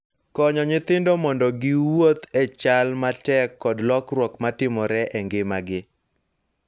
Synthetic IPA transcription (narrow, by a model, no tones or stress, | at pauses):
kɔɲɔɲɪt̪ɪndɔmɔndɔɡɪwot̪ɛt͡ʃalmatɛkːɔdlɔkrwɔkmatɪmɔɾɛʔɛŋɡɪmaɡɪ